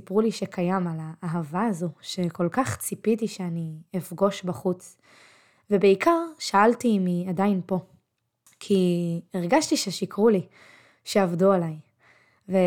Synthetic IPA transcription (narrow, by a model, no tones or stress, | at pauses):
ipʁuliʃekʰajamalaʔːɦavaːzuʃe̞ko̞lkaχt͡sipitiʃeaniefɡo̞ʃbaχut͡s | vebeikʰaʁʃaaltimiadainpo̞ | kʰieʁɡaʃtiʃeʃikʁuli | ʃeavdualaj | ve